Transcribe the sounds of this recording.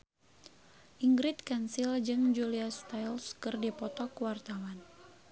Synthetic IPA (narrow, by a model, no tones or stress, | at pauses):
ʔiŋɡɾit̪̚kansild͡ʒɨŋd͡ʒuliast̪ajlskɨrdipɔt̪ɔkwart̪awan